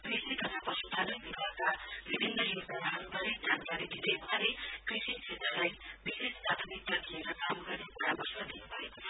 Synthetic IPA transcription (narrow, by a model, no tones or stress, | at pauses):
krisit̪ʌt̪apʌsut̪alʌjbibakabibʱinrʌjoɡd̪aɾaɦanubʱʌɾed͡zʱankaɾed̪ʱid̪ʌjmɦaɾekrisisʰet̪rʌlajbisespat̪ʰunit̪ːad̪ieɾʌkamɡʌrnipaɾabʌsmad̪inubʱʌekot͡sʰʌ